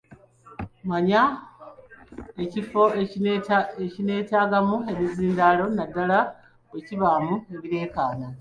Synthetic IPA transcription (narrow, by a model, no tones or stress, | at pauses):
maɲa | ecifo̞ | ecine̞ːtaːɡamue̞βiziːndalo̞nadːala | we̞ciβamue̞βiɾe̞ːkaːna